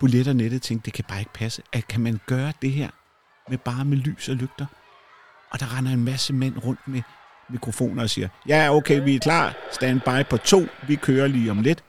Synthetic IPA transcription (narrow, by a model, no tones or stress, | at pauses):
b̥uleɾ̥ɐneɾ̥ð̩ˠt͡sʰeŋ̰ɡ̥̚ɐd̥e̝kʰæb̥ɑ̈ːe̝ɡ̥ə̥pʰæsəʔækʰæmænɡ̥ɶːɐd̥e̝ɦeɐ̰ | meb̥ɑ̈ːmely̰ːsɒ̽løɡ̥d̥ɐ | ʔɒ̽d̥ɑ̈ʁɑ̈nɐe̝nmæsəmen̰ʁɔ̽n̰d̥me | mikʰʁo̝fo̝̰ːnɐɒ̽sḭːɐjæɐoʊkʰeɪʋiækʰlɑ̰̈ːsd̥ænb̥ɑ̈ɪpʰɒ̽t͡sʰo̝̰ːʋikʰøːɐliːɒ̽mle̝d̥